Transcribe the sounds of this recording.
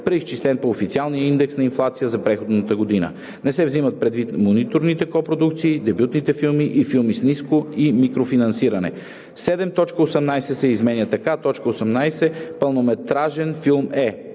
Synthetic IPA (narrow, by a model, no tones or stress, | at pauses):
pɾɛist͡ʃislɛnpoːfit̪sialˠnijəind̪ɛksnɐinflˠat̪sijəzɐpɾɛxod̪nət̪əɡod̪inə̰ | nɛsɛvzimət̪̚pɾɛd̪vit̪monit̪oɾnit̪ɛkɔpɾod̪ukt̪siːd̪ɛbjut̪nit̪ɛfilˠmiʔifilˠmisniskoimikɾofinɐnsiɾɐnɛ̰ | sɛd̪ɛmt̪ɔt͡ʃkəosɛmnajsɛsɛizmɛnjət̪ɐkat̪ɔt͡ʃkəosɛmnajsɛpɐlˠnomɛt̪ɾaʒɛnfilˠmɛ